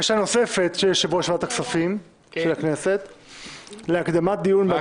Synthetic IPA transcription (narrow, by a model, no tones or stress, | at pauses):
ʃano̞se̞fe̞t̪ʃejeʃavoaʃvat̪aksafim | ʃelaknese̞t̪ | leakd̪amat̪̚d̪ijunb